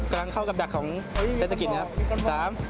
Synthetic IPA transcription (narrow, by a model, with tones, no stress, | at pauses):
kla˧ŋkʰa˥˩wka˨˩p̚da˨˩kʰːɔː˩˦ŋe˦˥sa˧ki˨˩ŋʰa˦˥psaː˩˦m